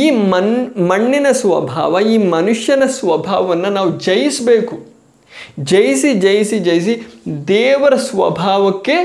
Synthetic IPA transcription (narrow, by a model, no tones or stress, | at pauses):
iːmɐmɐɳːinɐsʋɐbʱa̰ːʋɐiːmɐnuʂjɐnɐsʋɐbʱaːʋɐʋɐnːɐnaːʋud͡ʒɐjisbeːku | d͡ʒɐjisid͡ʒɐjisid͡ʒɐjis̬id̪ɛːʋɐɾɐsʋɐ̰bʱaːʋɐkːe̞